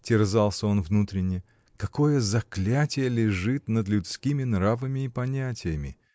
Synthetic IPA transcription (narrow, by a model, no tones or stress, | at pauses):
tʲɪrzalˠsʲəo̞nvnut̪ɾʲɪnʲːɪ | kɐko̞jəzɐklʲatʲɪjəlʲɪʐɨt̪nəd̪lʲʉt̪skʲimʲɪnravəmʲɪːpɐnʲætʲɪjəmʲɪ̰